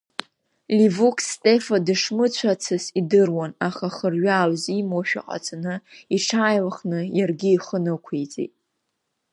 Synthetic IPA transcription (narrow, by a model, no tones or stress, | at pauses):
lʲivukʰstʼefadɨʂmɨt͡ɕʷʰat͡sʰɨsidɨrwanaχaχərɥaːwzimoʃᶣa̰qʼa̰t͡sʰʼanɨiʈ͡ʂʰaːjlχnɨjarɡʲɪːχənɨkʷʰejt͡sʼḭtʼ